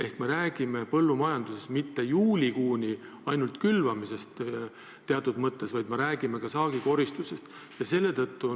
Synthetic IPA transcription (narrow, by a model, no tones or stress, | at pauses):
e̞hkme̞ɾæːɡ̥ime̞pɤ̞lːumɑjɑnd̪use̞st̪mit̪ːe̞juːlʲikuːnʲi | ɑjnult̪kylvɑmise̞st̪ | t̪ːe̞ɑt̪ːˑud̪̥mɤt̪ˑːe̞svɑjd̪me̞ɾæːɡ̥ime̞kɑsɑːɡ̥iko̞ɾist̪use̞st̪ | jɑse̞lːe̞t̪ɤt̪ːu